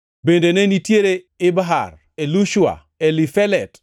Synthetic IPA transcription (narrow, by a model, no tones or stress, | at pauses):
bendenenitjeɾe | ɪbaɦa̰r | eluʃua̰ | elifɛlɛt